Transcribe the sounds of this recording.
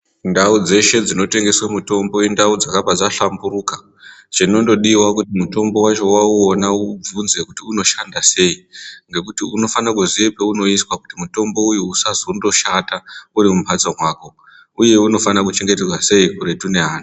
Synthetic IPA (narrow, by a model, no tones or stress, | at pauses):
ndaud͡ze̞ʃe̞d͡zino̞te̞ŋɡe̞swamuto̞mbo̞jendaud͡zakapad͡zaɬambuɾuka | t͡ʃino̞ndo̞ɗiwakutimuto̞mbo̞wat͡ʃo̞wauonaub͡vunze̞kutiuno̞ʃandase̞iŋɡe̞kutiuno̞fanakuziepeuno̞iswaku̥timuto̞mbo̞ujuːsazoundo̞ʃataurimumpʰad͡zomwaːko̞ | uje̞uno̞fanakut͡ʃe̞ŋɡe̞terwase̞ikuɾe̞tune̞ɦaːna